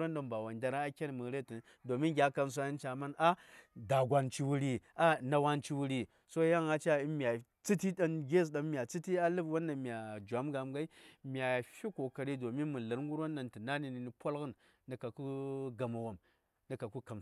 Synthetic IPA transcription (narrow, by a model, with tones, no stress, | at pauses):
ɾo˦nda˨mba˨wa˨nda˨ɾa˦a˦kʲe˦n˨mɨ˨˦ɾe˦ti˨n | do˨mi˦nɡʲa˦ka˨ms̬o˦i˦n˦t͡ʃa˨ma˦na˦da˨ɡʷa˨nt͡ʃi˦wu˦ɾi˨a˦na˨wa˦nt͡ʃi˦wu˦ɾi˨ | so˦ja˦ŋa˨t͡ʃa˦i˦nmi˨a˨ | t͡sɨ˦ti˦ɗa˦nɡʲe˦˨s̬ɗa˨nmʲ˨a˨t͡sɨ˦ti˦a˦lɨ˦bwo˦nːa˨mi˨a˨d͡ʒʷa˨˦mɡa˨mɡa˦i˦mi˨a˨fi˦ko˨ka˨ɾi˦do˨mi˦nmu˨lɨ˨ɾŋɡu˦ɾo˦nda˨ntɨ˨na˦ni˨ni˨ni˨po˦lɡə˦nː | ə˨ka˨ku˦ɡa˨ma˨wa˨m | na˨ka˨ku˦ka˨m